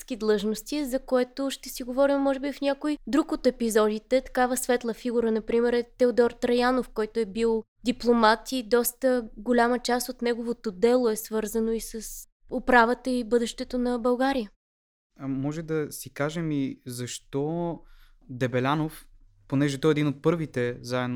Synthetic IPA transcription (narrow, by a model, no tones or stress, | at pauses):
sk̟id̪lˠɤʒnost̪izɐkoɛt̪oʃt̪ɛsiɡovɔɾimːɔʒɛbifnʲakojd̪ɾukot̪ɛpizɔd̪it̪ɛt̪ɐ̥kavəsvɛt̪lˠəfiɡuɾənɐpɾimɛɾɛt̪ɛod̪ɔɾt̪ɾɐjanofkɔjt̪oɛbilˠ | d̪iplˠomat̪id̪ɔst̪əɡolʲamət͡ʃast̪ot̪nɛɡovot̪od̪ɛlˠoɛsvɤɾzənoisəs | opɾavət̪əibɤd̪ɛʃt̪ɛt̪onɐbɐlˠɡaɾijə | mɔʒɛd̪ɐsikaʒɛmizɐʃt̪ɔ | d̪ɛbɛlʲanof | ponɛʒɛt̪ɔɛd̪inot̪̚pɤɾvit̪ɛzaɛd̪n